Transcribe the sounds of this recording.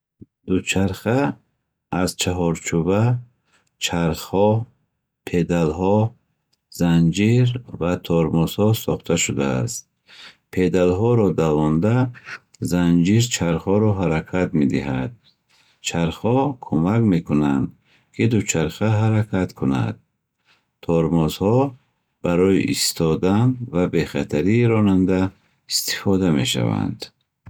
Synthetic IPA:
d̪ut͡ʃʰaɾχaː | zt͡ʃʰaɦɔɾt͡ʃʰuba | t͡ʃʰaɾχhɔ | pʰed̪alɦɔ | z̥and͡ʒiɾvat̪ʰɔɾmɔshɔsɔχt̪ʰaʃud̪a̰ːst̪ | pʰed̪alɦɔɾɔd̪avɔnd̪a | zand͡ʒiɾt͡ʃʰaɾχɔɾɔɦaɾakʰat̪med̪iɦad̪̚ | t͡ʃʰaɾχhɔkʰumakme̞kʰunand̪ | kʰid̪ut͡ʃʰaɾχaɦaɾakʰat̪kʰuna̰d̪̚ | t̪ʰɔɾmɔzhɔ | b̥aɾɔjḭʔist̪ʰɔd̪anvabe̞χat̪ʰaɾiːɾɔnand̪a | ist̪i̥fɔd̪ame̞ʃa̰va̰nd̪

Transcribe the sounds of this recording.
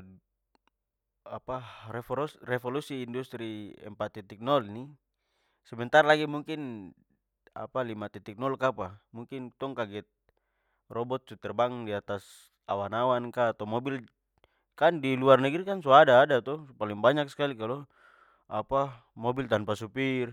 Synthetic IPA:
apaɛrɛfɔlusiːndust̪ɾiɛ̰mpat̪ɛt̪ik̚nɔlni | sɛmɛnt̪arlaɡimuŋkin | a̰palimat̪ɛt̪ik̚nɔlkapamuŋkint̪ɔŋkaɡɛt̪̚ | rɔbɔt̪̚sut̪ɛrbaŋdiat̪as | a̰wanawankaːt̪ɔmɔbil | kandiluarnɛɡiɾikansɔadaːdat̪ɔpaliŋbaɲakskalikalɔ | apa | mɔbilt̪anpasupir

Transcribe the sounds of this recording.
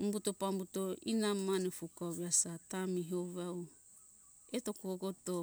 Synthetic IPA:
umbutopambutoinamanefukawβiasatamiɦoβaw | etokoɡoto

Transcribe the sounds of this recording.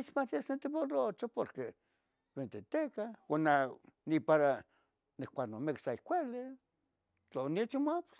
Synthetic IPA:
it͡ʃmat̪iasent̪eβolot͡ʃopoɾke | βent̪et̪ekaonanipaɾa | nehkʷaknomeksaikʷele | t͡ɬonit͡ʃimap

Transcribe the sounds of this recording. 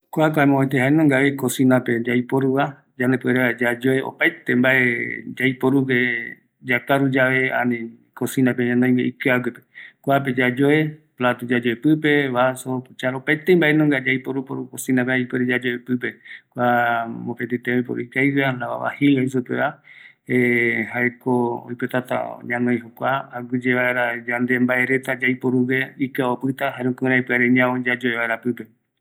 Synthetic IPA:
kʷakaemõat̪̬eɦaenõŋɡaβekosĩnãped͡ʒajpoɾuβa | d͡ʒand̪epueɾead͡ʒad͡ʒoeo̰pajt̪embaʔed͡ʒaijpoɾupe | d͡ʒakaɾud͡ʒaʋeã̰nĩ | kosĩnãpeɲãnõj̃ɡeʔikɨaɡepekʷap̬ed͡ʒad͡ʒoeplat̪ud͡ʒad͡ʒoepɨpe̞βasot͡ʃaɾopaet̪embaʔenõŋɡad͡ʒaijpoɾupoɾukosĩnap̬eaipɨeɾed͡ʒad͡ʒoepɨp̬e̞kʷamopet̪it̪eojpoɾṵikajwalaβa̰βa̰hiwais̬upḛa | eɦaekoo̰jpot̪at̪a̰ɲãnojɦokʷaaɡɨd͡ʒeβaeɾad͡ʒand̪e̞mbae̞ɾet̪ad͡ʒajpoɾuβeikaopɨt̪aɦaɾũkũɾajpɨaɾeɲãõd͡ʒad͡ʒoeβaeɾapɨpe̞

